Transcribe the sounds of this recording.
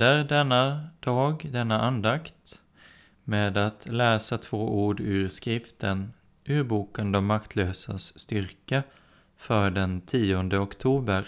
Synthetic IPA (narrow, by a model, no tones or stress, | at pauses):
əɾɖ̪ɛnːad̪̥ɑːɡd̪ɛnːaʔand̪akt̪ | meːd̪at̪ʰlɛːsat̪ʰvoːʔuːɖʉɾskɾɪft̪ʰən | ʔʉ̟ːbuːkənd̪ɔmːakt̪ʰløːsa̰sːt̪ʏɾkə | fœːɖɛnt̪ʰiːɔnd̪əɔkt̪ʰuːbəɾ